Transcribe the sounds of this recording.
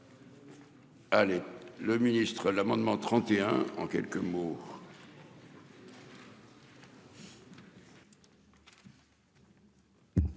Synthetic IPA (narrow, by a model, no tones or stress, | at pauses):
aleləminist̪χəlamɑ̃d̪mɑ̃t̪χɑ̃t̪eɛ̃ɑ̰̃kʲɛ̰lkəmo